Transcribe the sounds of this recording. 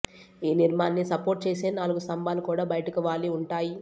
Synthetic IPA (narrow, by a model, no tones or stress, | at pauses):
iːniɾmaːnːisɐpoːɾʈ̚t͡ʃeːseːnaːluɡusɐmbaːlukuːɽaːbɐjɐʈɐkiʋaːliuɳʈaːji